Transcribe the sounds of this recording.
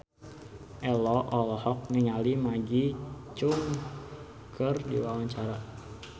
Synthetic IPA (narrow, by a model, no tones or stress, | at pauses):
ʔɛlɔʔɔlɔhɔk̚niŋalimaɡit͡ʃʊŋ | kʰərdḭwawaɲt͡ʃaɾa